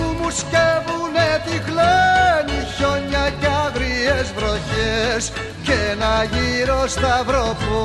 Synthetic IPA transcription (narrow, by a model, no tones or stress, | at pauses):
umuscevunet̪iɣleniço̞ɲɐcɐðɾiezvɾo̞çes | cenɐʝiɾo̞st̪ɐvɾo̞pu